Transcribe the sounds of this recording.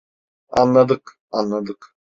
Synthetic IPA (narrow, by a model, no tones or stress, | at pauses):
ɑ̰nlˠɑd̪ɯq | ɑnlˠɑd̪ɯq